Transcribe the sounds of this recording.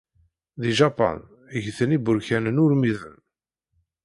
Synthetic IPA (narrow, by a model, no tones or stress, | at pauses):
ðiʒɑpɑ̰n | əʝθənibʊɾçænənʊɾmiðə̰n